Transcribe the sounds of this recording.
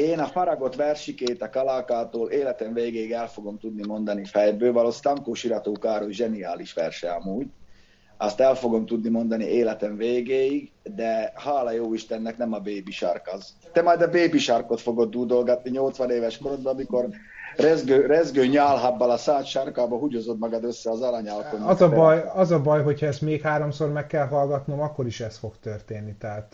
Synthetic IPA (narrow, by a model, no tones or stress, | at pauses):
eːnɒfɒɾɒɡo̞t̪ʋɛrʃikeːt̪ɒkɒlaːkaːt̪oːleːlɛt̪ɛɱveːɡeːiɡɛlfo̞ɡo̞mt̪ud̪nimo̞nd̪ɒnifɛjbøːvɒloːsi̥t̪ɒŋkoːʃiɾɒt̪oːkaːɾoʒɛnia̰ːliʃʋɛ̰rʃɛɒmuːɟ | ɒst̪ɛlfo̞ɡo̞mt̪ud̪nimo̞nd̪ɒnieːlɛt̪ɛɱveːɡeːjiɡd̪ɛhaːlɒjoːiʃt̪ɛnːɛknɛmɒbeːbiʃɒ̰rkɒz | t̪ɛmɒjd̪ɒbeːbiʃɒrko̞t̪fo̞ɡo̞d̪ːuːd̪o̞lɡɒt̪̚niɲo̞lt̪sʋɒneːvɛʃkoɾod̪̚bɛɒmiko̞r | rɛzɡøːrɛzɡøːɲaːlɦɒbːɒlɒsaːt̪ʃɑrkaːbɒɦuɟozo̞d̪mɒɡɒd̪ø̞sːɛɒzɒlɑɲalkonɒzɒbɒjɒzɒbɒjɦo̞chɒɛst̪meːkhaːɾo̞msormɛkːɛlɦɒlɡɒt̪no̞mɒkːo̞ɾiʃɛst̪fo̞kt̪ørt̪eːnːit̪ɛɦaːt̪